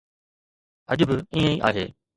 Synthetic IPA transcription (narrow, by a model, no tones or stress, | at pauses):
ɐʄbɪiːə̃iʔa̰ːɦḛː